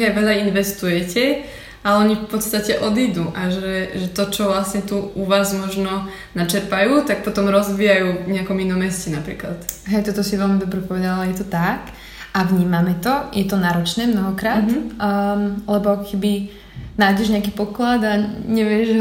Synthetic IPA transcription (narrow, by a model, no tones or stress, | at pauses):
ajʋɛlainʋɛst̪ujɛcɛ | alɛɔɲifpɔt̪st̪acɛʔɔd̪iːd̪uʔaʒɛʒɛt̪ɔt͡ʃɔʋlasɲɛt̪uuʋaːzmɔʒnɔ | nat͡ʃɛɾpajuːt̪ak̚pɔt̪ɔmɾɔzbiːjajuːɲɛakɔminɔmɛscɛnapɾḭːkla̰t̪ɦɛjt̪ɔt̪ɔsiʋɛlmid̪ɔbɾɛpɔʋɛd̪alajɛt̪ɔt̪ak | ʔaʋɲiːmamɛt̪ɔjɛt̪ɔnaːɾɔt͡ʃnɛːmnɔɦɔkɾaːt̪ | lɛbɔakɔkɛbi | naːjɟɛʒɲɛakiːpɔklad̪aɲɛʋɪɛʒ